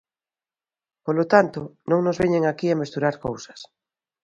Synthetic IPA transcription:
polot̪ant̪onõŋnozβeɲeŋakiamest̪uɾaɾkowsḁs

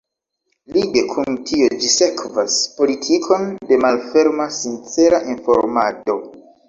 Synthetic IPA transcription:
liɡe̞kʰuntʰio̞d͡ʒise̞kvaspo̞litʰikʰo̞nde̞malfe̞ɾmasint͡se̞ɾaʔinfo̞̰ɾmado̞

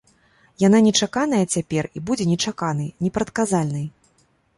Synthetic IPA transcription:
jananʲɛt͡ʂakan̪ɐjɐt͡sʲapʲɛribud͡zʲɛnʲɛt͡ʂakan̪ɨjnʲɛpɾɐt̪̚kazalʲnɨj

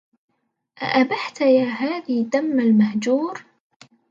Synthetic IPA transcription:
ʔa̰ʔabaħt̪jaːɦaːðid̪amːalmahd͡ʒuːɾ

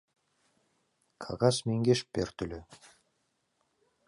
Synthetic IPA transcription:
kʰɑ̰ʁɑsmeŋɡeʃp̚beɾt̪ylø

